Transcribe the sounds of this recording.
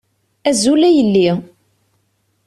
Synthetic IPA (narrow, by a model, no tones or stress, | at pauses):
æzulæjəlːi